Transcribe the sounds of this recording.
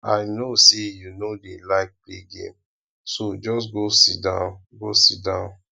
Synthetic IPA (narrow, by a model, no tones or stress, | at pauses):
a̰ɪnosejunodelaɪk̚pleɡḛ̃m | sod͡ʒɔs̬ɡosidãʊnɡosidãʊ̃n